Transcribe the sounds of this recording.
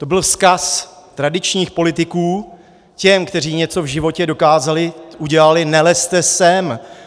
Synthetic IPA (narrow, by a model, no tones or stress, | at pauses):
t̪o̞bɪlskas | t̪ɾadɪt͡ʃɲiːxpo̞lɪt̪ɪkuː | cɛmkt̪ɛr̝iːɲɛt͡so̞vʒɪvo̞cɛdo̞kaːzalɪʔuɟɛlalɪnɛlɛst̪ɛsɛm